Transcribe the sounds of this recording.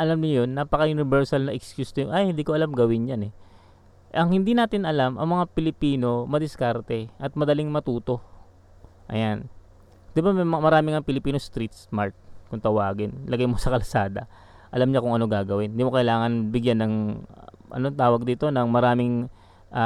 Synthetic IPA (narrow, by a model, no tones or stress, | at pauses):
ʔɐlamɲʊjonːapɐkɐjʊnɪbɛɹsɐlnɐʔɪkskjust̪ojʊŋʔɐjhɪnd̪iːkoɐlamɡɐwɪnjanɛ | ʔɐŋhɪnd̪inaːt̪ɪnʔɐlamʔɐ̰ŋmɐŋapɪlɪpiːno̞mɐd̪ɪskaɾt̪ɛʔɐt̪̚mɐd̪ɐlɪŋmɐt̪uːt̪o̞ | ʔɐ̰jan | d̪ɪbamɐmmɐɾaːmɪŋɐŋpɪlɪpiːnost̪ɾit̪smaɾt̪̚kʊŋt̪ɐwaːɡɪnlʔɐɡajmo̞sɐkɐlsaːd̪ɐ̰ | ʔɐlamɲakʊŋɐno̞ɡaːɡɐwɪnnd̪iːmokɐʔɪlaːŋɐnbɪɡjanːɐŋ | ʔɐ̰not̪aːwɐɡ̚d̪iːt̪o̞nɐŋmɐɾaːmɪŋ | ʔa